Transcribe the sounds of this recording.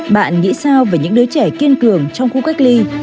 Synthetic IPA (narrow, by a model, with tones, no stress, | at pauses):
ɓa̰ː˧˨nŋḭ˧˥saː˧wvaː˨˩ɲɨ̰˧˥ŋɗoː˨˦jt͡ɕɛ˧˩ki˧ənkɨ˨˩əŋt͡ɕɔ˧wŋ͡mxu˧ka˦˥k̚li˧